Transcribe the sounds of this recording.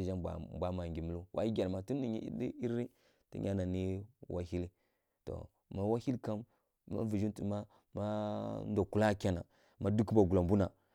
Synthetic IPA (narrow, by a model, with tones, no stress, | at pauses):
d͡ʒa̰˦˨bʷa˦ma˨ŋɡʲi˨mu˨˦lu˦wʔa̰˦i˦ɡʲa˨ɾma˨tu˦ni˨ɲḭ˦di˦i˦ɾi˦ | tḭ˦ɲʲa˦na˨ni˦wʔa˦hi˦li˦ | to̰˨ | ma˨wa˦hi˦lka˦mː | a̰˦vi˨d͡ʒi˦ntḭ˨ma˦ | ma˦n˦do˨ku˦la˦kʲa˨na̰˨ | ma˦du˦kba˨ɡu˨la˨mbu˦na˨